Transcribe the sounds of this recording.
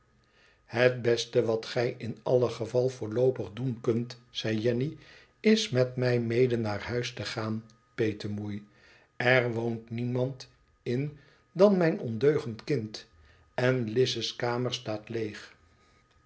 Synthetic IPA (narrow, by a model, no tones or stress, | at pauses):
ɦət̚bɛstəʋɑtχɛjɪnɑ̰ləχəvɑlˠvʊːɹlowpəχdunkɵntsɛjjɛni | ɪsmɛtmɛjmejdənːaːɹhœɥstəχaːn | pejtəɹmuj | ɛɹʋowntnimɑnt | ɪn | dɑnmɛjnʔɔ̰ndøɥχəntkɪnt | ɛnlɪsəskaːməɹstaːtlejχ